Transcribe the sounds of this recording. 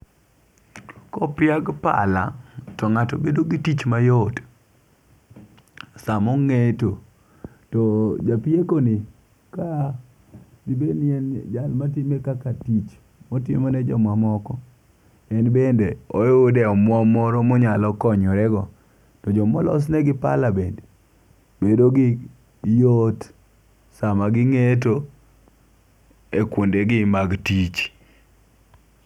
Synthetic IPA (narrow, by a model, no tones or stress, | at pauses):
kɔpɪjaɡpa̰la̰tɔŋatobedoɡitit͡ʃmajod | samɔŋeto | tɔd͡ʒapiekonɪ | ka | ɡibenɛnd͡ʒalmatɪmekakatit͡ʃ | mɔtɪmonɛd͡ʒɔmwamɔkɔ | ɛnbendeoodɛɔmwɔmɔɾɔmɔɲalɔkɔɲɔɾɛɡɔ | tɔd͡ʒɔmɔlɔ̰s̬nɛɡɪpa̰lamɛnt | bedoɡɪ | jot | samaɡɪŋet̬o | ekwondeɡɪmaɡtit͡ʃ